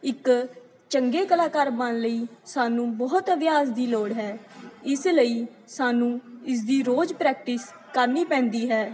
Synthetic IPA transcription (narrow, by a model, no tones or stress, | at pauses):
ɪk | t͡ʃəŋɡeːkəlaːkaːɾbənləiːsaːnũːbɔːt̪əʋjaːsd̪iːloːɽɦɛːɪsləiː | saːnũːɪs̬d̪iːɾoːd͡ʒpɾɛːk̚ʈɪs | kəɾniːpɛ̃ːnd̪iːɦɛː